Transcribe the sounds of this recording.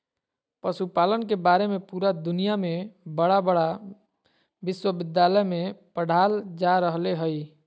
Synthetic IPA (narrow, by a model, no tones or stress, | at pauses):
pəsupalənkebaɾemepuɾad̪ʊnijamẽbəɽabəɽa | bɪswəbɪd̪jaləjmẽpəɽ̤ald͡ʒaɾəɦleɦəj